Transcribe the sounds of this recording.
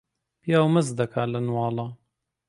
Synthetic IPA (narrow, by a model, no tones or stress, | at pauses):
pijaːwmɨzd̪ɐkʰaːlɐnwɑːlɑ